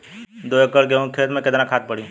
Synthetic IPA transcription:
d̪oːekəɽk̬eõkʰeːt̪mẽked̪nãkʰaːt̪̚pəɽĩ

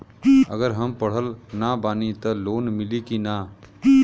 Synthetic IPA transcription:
ə̰ɡəɾɦəmpəɽ̤əlnabaːnit̪əloːnmɪlikina

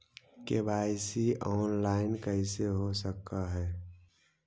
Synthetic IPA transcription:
kebaːɪsiʔɔːnlaːɪnkəɪseɦosəkːaɦɛː

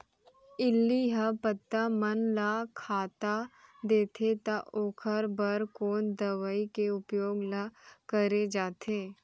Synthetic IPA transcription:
ɪlːiɦapət̪ːamɐnlaːkʰaːt̪ad̪eːt̪ʰet̪aʔoːkʰəɾbəɾkoːnd̪ɐʋaikeʊpjoːɡlakəɾed͡ʒaːt̪ʰeː

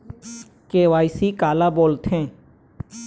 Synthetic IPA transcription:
keːʋaːisiːkaːlaːboːlt̪ʰẽː

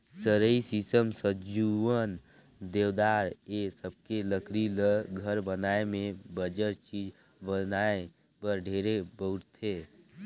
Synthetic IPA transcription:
səɾəisisəmsəd͡ʒuwən | d̪eːwd̪aːɾesəb̚keləkʰɾiləɡʱəɾbənaːemẽbəd͡ʒəɾt͡ʃiːd͡ʒ | bənae | pəɾɖʱeːɾebəʊɾt̪ʰeː

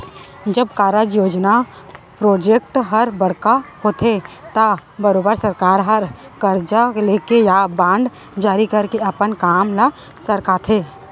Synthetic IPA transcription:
d͡ʒɐbkaːɾəd͡ʒjoːd͡ʒna | pɾoːd͡ʒek̚ʈɦɐɾbɐɽkaɦot̪ʰet̪abɐɾoːbəɾsɐɾkaːɾɦɐɾ | kəɾd͡ʒaleːkejabãːɳɖd͡ʒaːɾikɐɾkeɐpənkaːmlasəɾkaːt̪ʰeː

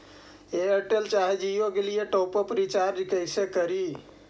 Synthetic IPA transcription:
eəʈelt͡ʃaɦed͡ʒijokelijeʈopəpɾit͡ʃaɾd͡ʒkəɪsekəɾi

